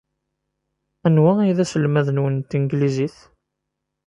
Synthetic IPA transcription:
ænwæiðæsəlmæðənwənt̪inɡliziθ

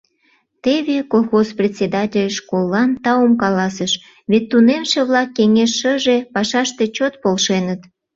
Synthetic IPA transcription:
t̪eβekolˠxosprʲet̪ʲsʲed̪ɑtʲelʲʃkolːɑnt̪ɑomkɑlɑsəʃ | βet̪ːunemʃĕβlɑkːeŋeʃːəʒepɑʃɑʃt̪e̽t͡ɕot̪̚polʃenət̪

